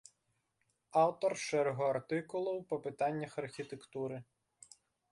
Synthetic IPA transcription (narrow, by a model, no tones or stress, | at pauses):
ɑwt̪ɔrʃɛɾɦɔɐrt̪ɪkʊlˠɔwpɔpɪt̪ɑnʲːɐxɐrxʲit̪ekt̪uɾɪ